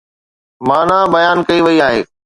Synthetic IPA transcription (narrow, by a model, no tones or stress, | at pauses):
mãːnãːbɐjaːnkɐiʋɐiaːɦeː